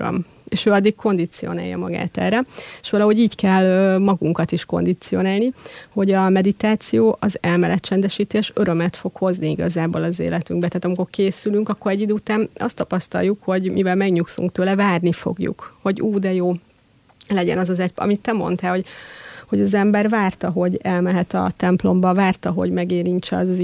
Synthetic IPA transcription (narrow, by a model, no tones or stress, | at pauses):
ø̰m | eːʃøːɒd̪ːikko̞nd̪it̪sio̞̰na̰ːjɒ̰mɒɡa̰ːt̪ɛ̰ːrɛeʃʋɒlɒɦo̞ɟiːckɛlømɒɡuŋkɒt̪iʃko̞̰nd̪it̪sio̞naːlniho̞ɟɒmɛd̪it̪aːt̪sijoːʔɒzɛlmɛlɛtt͡ʃɛnd̪ɛʃiːt̪eːʃø̞ɾø̞mɛt̪fo̞kho̞zniiɡɒzaːboːlɒzḛːlɛt̪yŋɡbɛt̪aːt̪ɒmiko̞rkeːsylyŋkɒkːoɾɛɟːid̪øːut̪aːnɒ̰st̪ɒpɒst̪ɒ̰jukho̞ɟmivɛlmɛɡɲuksṵŋkt̪øːlɛvaːrnifo̞̰ɡjṵkho̞ɟuːd̪ɛjoː | lɛɟɛ̰nɒzɒzɛɟɒ̰mit̪ːɛmo̞̰nt̪ɛːho̞ɟho̞ɟɒzɛmbɛrvaːrt̪ɒɦo̞ɟɛlmɛɦɛt̪ɒ̰t̪ɛmplo̞mbɒvaːrt̪ɒɦo̞̰ɟmɛɡeːɾiɲt͡ʃɛɒ̰z